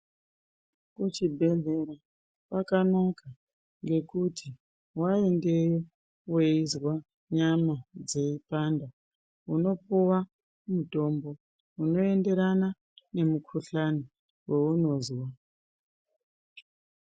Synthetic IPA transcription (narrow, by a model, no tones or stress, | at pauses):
kut͡ʃibʱe̞ɮe̞ɾa | pakanoka | ŋɡe̞kutʰi | wae̞nde̞jo | we̞izwa | ɲamad͡ze̞ipanda | uno̞puwa | muto̞mbo̞ | uno̞e̞nde̞ɾana | ne̞mukʰuɬano | weuno̞ːzwa